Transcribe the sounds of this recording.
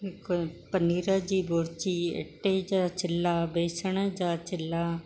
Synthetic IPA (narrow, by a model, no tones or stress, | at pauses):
kopəniːɾaːd͡ʒiːboːɾt͡ʃiːḛʈːeːd͡ʒaːt͡ʃɪlːaːbeːsəɳed͡ʒaːt͡ʃɪlːaː